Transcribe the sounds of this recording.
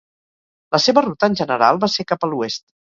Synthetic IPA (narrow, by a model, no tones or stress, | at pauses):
ləseβərut̪əːnʲʒənəɾa̰lˠβasekapəluest̪